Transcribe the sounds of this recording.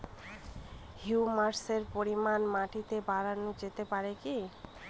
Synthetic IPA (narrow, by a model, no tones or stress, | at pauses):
hiumaɾseɾpoɾimanmaʈit̪ebaɾanːod͡ʑet̪epaɾeki